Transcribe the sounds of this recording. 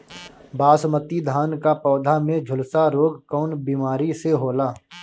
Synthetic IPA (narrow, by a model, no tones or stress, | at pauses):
baːsmət̪id̪ʱaːnkapɔːd̪ʱamẽd͡ʒʱʊlsaɾoːɡkɔːnbiːmaːɾiseɦoːlaː